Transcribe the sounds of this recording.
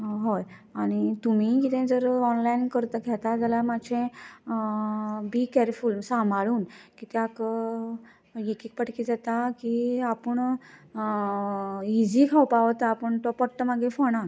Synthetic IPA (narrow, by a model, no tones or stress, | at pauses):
ɦoj | aɽ̃it̪um̤ikit̪ʰɛ̃d͡zəɾɔnlainkəɾt̪əkʰɛt̪ad͡zalamad͡ʑʰɛ̃ | bikɛɾfilmsãmʱaɭuːnkit̪ɛakə | jekiːk̚pəʈkiːd͡zat̪akiapəɳ | id͡ʑikʰawpaʋt̪aːpəɳʈ̪ɔpɔʈːəmaɡẽfɔɽ̃a